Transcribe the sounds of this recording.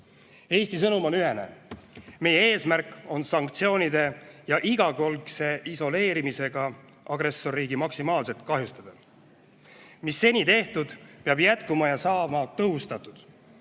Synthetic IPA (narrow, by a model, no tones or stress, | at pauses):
e̞ːsʲt̪is̬ɤnumo̞nyɦe̞ne̞̰me̞jeeːsmærkːˑo̞nsɑŋkt̪sio̞ːnʲid̪e̞jɑʔiɡ̥ɑko̞lkse̞iso̞le̞ːɾimise̞ɡ̥ɑ | ʔɑɡ̥ɾesːo̞rːiːɡimɑksimɑːlse̞t̪̚kɑɦjust̪ɑd̪̥ɑ | misːe̞nʲit̪e̞ht̪ud̪̥peɑbjæt̪kumɑjɑsɑːmɑt̪ɤɦust̪ɑt̪ːˑud̪̥